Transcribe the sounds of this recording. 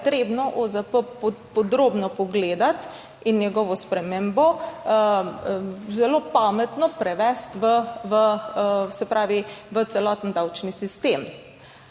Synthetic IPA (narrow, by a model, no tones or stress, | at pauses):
t̪ɾeːbnɔʔozəpəppɔd̪ɾoːbnɔpɔɡleːd̪at̪ | inːjɛɡɔʋɔspɾɛmeːmbɔ | zɛloːpaːmɛt̪nɔpɾɛʋɛst̪ʋəʋəsɛpɾaːʋiʋət̪sɛlɔːt̪nd̪awt͡ʃnisist̪eːm